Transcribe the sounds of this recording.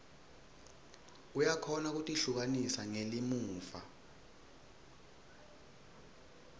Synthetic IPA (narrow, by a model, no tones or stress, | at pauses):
ujakʰɔnak̬utʼiɬuk̬anisaŋelimuːfa̰